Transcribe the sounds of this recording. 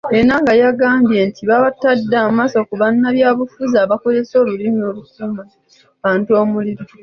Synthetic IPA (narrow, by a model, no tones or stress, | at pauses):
enaŋɡajaɡaːmbje̞ntiβaβatadːaːmaso̞kuβanːaβjaːβufuzaːβako̞ze̞so̞ːlulino̞ːlukuːma | βaːntuo̞ːmuliɾi